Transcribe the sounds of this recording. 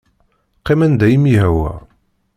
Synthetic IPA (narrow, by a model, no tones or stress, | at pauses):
qimænd̪æjimiɦæwæ̰